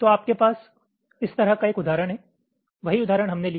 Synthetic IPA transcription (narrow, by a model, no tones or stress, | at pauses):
t̪oaːp̚kepaːs | ɪst̪ɐɾəkaeːkʊd̪aːɾəɽ̃ɦɛ | ʋɐɦiʊd̪aːɾəɽ̃ɦɐmneli